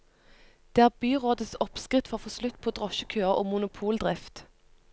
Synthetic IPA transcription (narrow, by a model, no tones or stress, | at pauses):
d̪̥eːæːʁbyːʁoːd̪əsɔpskʁɪt̪fɔʁfoːslʉt̪ːpʰoːd̪ʁɔʃəkʰøːəʁo̰ːmʊnʊpʰuːld̪ʁɪft̪